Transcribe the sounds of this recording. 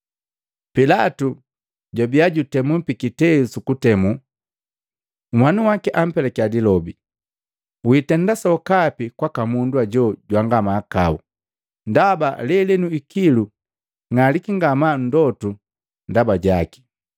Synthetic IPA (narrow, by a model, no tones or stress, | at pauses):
pilatu | ɟɔbiaɟutɛmum̩pikitɛsukutɛmu | mwanuwakiʔam̩pɛlakiadilɔbi | witɛndasɔkapikwakamundwaɟɔɟwaŋɡamaːkau | ndaba̰lɛlɛnuikilu | ŋalikiŋɡaman̩dɔtu | ndabaɟaki̥